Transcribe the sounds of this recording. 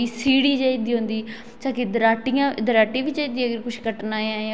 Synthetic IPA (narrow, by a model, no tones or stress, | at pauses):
iːsiːɽiːd͡ʒaːid̪iːɦõːnd̪iː | t͡ʃãːkid̪əɾaːʈɪjãːd̪əɾaːʈiːʋɪt͡ʃaid̪iːɡəɾkʊʃkəʈnaːãːjã